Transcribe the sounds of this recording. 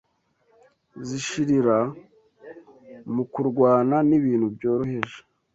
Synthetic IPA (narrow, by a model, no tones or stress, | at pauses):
ziʃiɾiɾa | mukuɾɡwaːnaniβiːn̥hubjoːɾohe̞ʒe̥